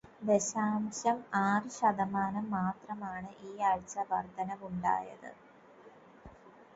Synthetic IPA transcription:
d̪eɕaːmɕɐmaːrɨɕɐd̪ɐmaːnɐmːaːt̪rɐmaːɳɨʔiːɐɻt͡ɕɐʋɐrd̪ʱɐnɐʋuɳɖa̰ːjɐ̰ðɨ̰

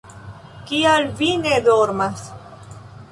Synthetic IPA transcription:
kialvined̪oɾmas

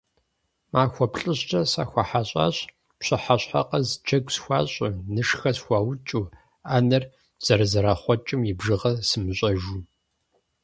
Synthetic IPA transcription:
maːxʷɔpɬʼɨɕt͡ʃʼɐsaːxʷɐħaɕʼa̰ːɕʼ | pɕʼɪħaɕħa̰qɐzt͡ʃʰɐɡʷsxʷɑ̰ːɕʼɐnɨʂxɐsxʷaːwt͡ʃʼu | aːnɐr | z̥ɐɾɐzɐɾaːχʷɔt͡ʃʼɨmjɪbʒɨʁɐsɨmɨɕʷʼɐʒuː

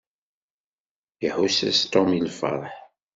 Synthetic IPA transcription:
jəħusæ̰st̪ɔmilfə̰ɾˤħ

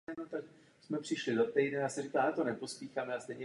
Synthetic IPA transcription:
not̪ak | smɛpr̝̥ɪʃlɪdo̞t̪ɛjdɛjaːsɛrikaːat̪onɛpospiːxaːmɛast̪ɛjɲɛ

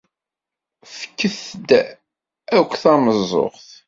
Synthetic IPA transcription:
fə̥kːəθd̪ | ækʷːθaməzˤo̰ʁθ

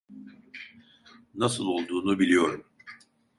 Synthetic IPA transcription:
nasɯlˠo̞lˠd̪uːnubilʲijo̞ɾum

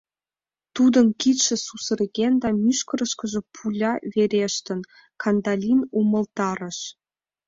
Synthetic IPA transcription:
t̪ud̪ɤ̆nkit̪ʃĕsusə̆rɣʲend̪ɑmyʃkɤ̆ɾə̆ʃkɤ̆ʒɤ̆pʰulʲɑβeɾʲeʃt̪ə̆n | kʰɑnd̪ɑlʲinumə̆lt̪ɑɾə̆ʃ

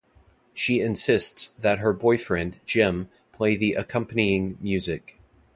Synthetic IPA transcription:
ʃiɨ̃nsɪstsðɨt̚ɦə˞bɔɪfɹɛ̃nd͡ʒɪ̃m | pʰl̥eɪðiʔɨkʰʌ̃mpəniɪ̃ŋmjʉzɪk

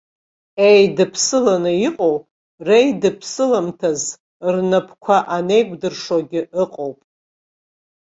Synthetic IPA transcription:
ejdɨpʰsɨlanɨiqʼowpʼ | rejdɨpʰsɨlamtʰaz | rnapʰkʷʰaʔane̞jɡʷʼdɨrʂoɡʲɪɨqʼowpʼ

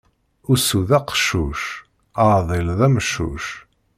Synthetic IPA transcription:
ʊsuðæqʃuʃ | aðˤilðˤæmʃṵʃ

